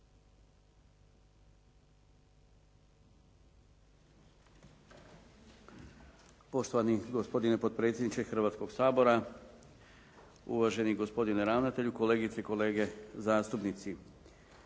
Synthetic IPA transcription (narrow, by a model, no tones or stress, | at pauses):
po̞ʃt̪o̞ʋaniɡospo̞d̪inepo̞d̪̚pɾe̞t̪sʲjed̪nit͡ʃexr̩ʋaːt̪sko̞ɡsaːbo̞ɾa | ṵʋaʒe̞niɡo̞spo̞d̪ineɾaːʋnat̪e̞ʎuko̞le̞ːɡit̪eiko̞le̞ːɡe̞zaːst̪upnit̪si